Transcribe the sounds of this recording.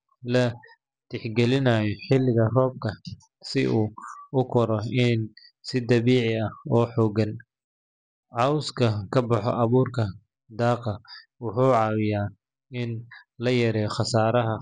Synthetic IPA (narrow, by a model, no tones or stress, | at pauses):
lɐ | t̪ɪħɡɛlɪnajɔħɪlɪɣɐrɔːb̚kʰɐ | sɪ̰ʔuːʊkʰɔɾɔɪn | sɪd̪ɐβiːʕɪɐhɔːħɔːɡɐn | ʕɑːwʊskʰɐkʰɐbɑħɔ̰ʔɐβuːrkʰɐ | d̪ɑːqɑwʊħuːʕɑwɪjaː | ɪnlɐjɐɾɛːjχɑsaːɾɐɦɐ